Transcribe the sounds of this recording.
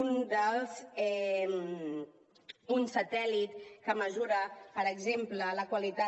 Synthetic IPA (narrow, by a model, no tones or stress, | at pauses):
und̪əlˠzɛm | unsət̪ɛlit̪kəməzuɾəpəɾəɡzemplələkwalit̪a